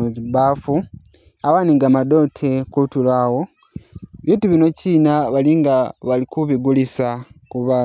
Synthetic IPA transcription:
bafu | awaːniŋɡaːmado̞tʰekutulaːwo̞ | βiːntuβino̞ciːnaβaliŋɡaβalikuβiɡulisa | kuβa

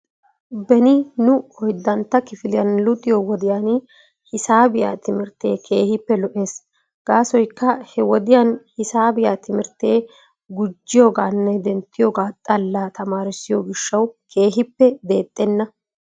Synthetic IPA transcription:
bɛnɪnʊɔjd̪ːɐnt̪ːɐkɪfɪlɪjɐnlʊt̪ʼːɪjowɔd̪ɪjaːn | hɪsaːbɪja̰ːt̪ɪmɪɾt̪e̞̰ːkʰe̞ːhɪpːɛlɔʔeːs | ɡ̥aːsɔjkːɐhɛwɔd̪ɪjanhɪsaːbɪjaːt̪ʰɪmɪɾt̪e̞ː | ɡʊd͡ʒːɪjoːɡaːnːɛd̪ɛnt̪ːɪjoːɡaːt̪ʼɐlːaːt̪ɐmaːɾɪsːɪjoːɡɪʃːɐwkʰe̞ːɦɪpːɛd̪eːt̪ʼːɛnːɐ

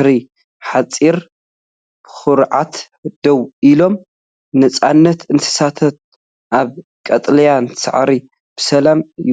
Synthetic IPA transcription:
ɾi | ħat͡sʼiɾ | b̥ɨ̥xɨɾʕat̪ | d̪̥ɐwilo̞m | nɐt͡sʼanːɐt̪ʰɨnt̪ʰɨ̥sat̪ʰɐt̪̚ | ʔaβ | kʼɐt̪ʼlɐjansa̰ʕɾi | b̥ɨsɐlamj

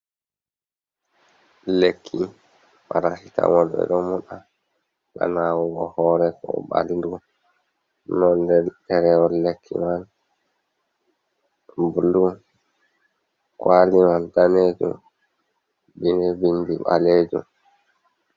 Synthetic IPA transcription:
lekʰːi | ɓaɾasita̰wɔlɓɛ̰ɗɔmuɗa | ka̰nawɔɡɔhɔːɾɛkɔɓa̰lindu | nɔndɛɗɛɾɛɔlekʰːḭmal | budu | kwalimaldaneːd͡ʒṵm | binɛbindiɓa̰leːd͡ʒṵm

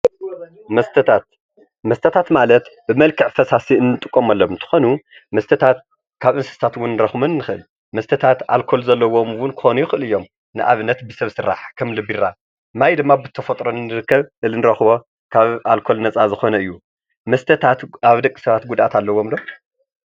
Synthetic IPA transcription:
mɐst̪ʰɐt̪ʰat̪ | mɐst̪ʰɐt̪ʰat̪malɐt̪bɨmɐlkʰɨʕfɐsasiɨnːɨt̪ʼɨkʼːomalːomɨnt̪ʰɨ̥xo̞nu | mɐst̪ʰɐt̪ʰat̪ | kʰaβʔɨnsɐ̥st̪ʰat̪wʊnːɨɾɐxmɨnɨnːɨxɨɨl | mɐst̪ʰɐt̪ʰat̪a̰lkʰo̞lzɐlːɐwo̞mwʊnkʰɨ̥xonujɪxɨɨlɨjo̞m | nɨʔaβɨnːɐt̪bɨsɐβsɨɾːa̰ħkʰɐmlɨbiɾa | majd̪ɨmːabɨt̪ʰːɐfɐt̪ʼɾonɨnɨɾɨkʰːɐβɨɨnɨɾɐxβo̞ | kʰaβalkʰo̞lnɐt͡sʼazɨxo̞nɐɨjːu | mɐst̪ʰɐt̪ʰat̪aβd̪ɐkʼi̥sɐβat̪̚ɡud̪ʔat̪ʰalːɐwːomd̪om

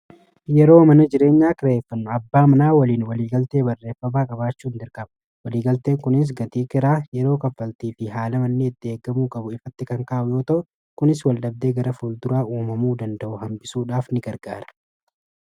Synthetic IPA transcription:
jɛɾo̞ːmɐnɐd͡ʒɪɾe̞ːɲːaːkɪɾeːfːɐnːʊɐbːaːmɐnaːwɐliːnwɐliːɡɐlt̪eːbɐrːe̞ːfːɐbaːkʼɐβaːt͡ʃːuːnd̪ɪɾkɐbɐ | wɐliːɡɐlt̪e̞ːŋkʊnɪs̬ɡɐt̪iːkɪɾaːjɛɾo̞ːkɐfːɐlt̪iːfɪɦaːlɐmɐnːeːɪt̪ːɪeːɡːɐmuːkʼɐbʊɪfɐt̪ːɪkɐŋkaːʔʊjo̞ːt̪ɐʔʊ | kʊnɪs̬wɐlɗɐb̚d̪e̞ːɡɐɾɐfuːld̪ʊɾaːʔuːmɐmuːd̪ɐnd̪ɐʔʊhɐmbɪsuːᶑaːfnɪɡɐɾɡa̰ːɾɐ̥

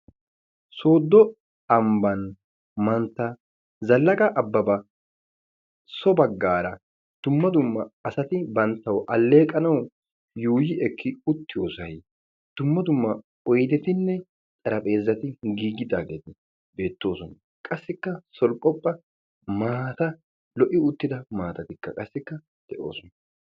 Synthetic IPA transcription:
soːd̪ːɔ | ɐmbɐn | mɐnt̪ːɐ | zɐlːɐkʼɐʔɐbːɐbɐ | sɔbɐɡːaːɾɐ | d̪̥ʊmːɐd̪ʊmːɐɐsɐt̪ɪbɐnt̪ːɐwʔɐlːe̞ːkʼːɐnɐw | juːjɪɛkʰːɪʊt̪ːɪjoːsɐj | d̪̥ʊmːɐd̪ʊmːɐ | ɔjd̪ɛt̪ɪnːɛ | t̪ʼɐɾɐpʼe̞ːzːɐt̪ɪɡiːɡɪd̪aːɡeːt̪ɪ | be̞ːt̪ːo̞ːsɔnɐ | kʼɐsːɪkːɐsɔlkʼɔpʼːɐ | maːt̪ɐ | lɔʔɪʊt̪ːɪd̪ɐmaːt̪ɐt̪ɪkːɐkʼɐsːɪkːɐ | d̪̥ɛʔo̰ːsɔnɐ

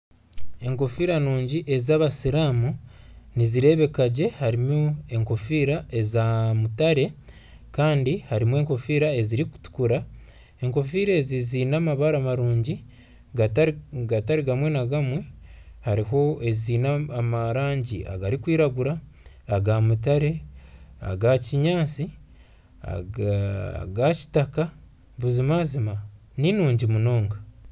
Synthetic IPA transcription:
e̞ŋko̞fiɾanuːɲɟiʔe̞zaːβasiɾaːmu | niziɾe̞ːβe̞kaɟe̞haɾimue̞ŋko̞fiːɾaʔe̞zamutaɾe̞ | kaːndihaɾimwe̞ːŋko̞fiːɾae̞ziɾiku̥tu̥kuɾa | e̞ŋko̞fiɾeziziːnaːmaβaɾamaɾuːɲɟi | ɡataɾiɡamwe̞naɡamwe̞haɾiɦo̞e̞ziːnaːmaɾaːɲɟiʔa̰ɡaɾikwiːɾaɡuɾaː | ɡamut̬aɾe̞a̰ɡaciɲaːt͡si | a̰ | ɡaci̥taka | βuzimaːzima | ninuːɲɟimuno̞ːŋɡa

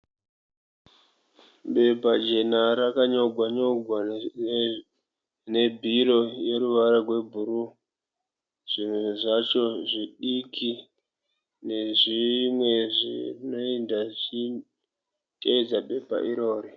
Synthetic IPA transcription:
ɓe̞bʱad͡ʒe̞naɾakaɲo̞ɡʱwaɲo̞ɡʱwa | ne̞bʱiro̞je̞ɾuʋaɾarwe̞bʱuɾu | ʐ̥inuʐat͡ʃo̞ʐiɗikʰi | ne̞ʐimweʐḭrino̞endaʐi | tʼeid͡zaɓe̞bʱa̰ʔiɾo̞ːɾi

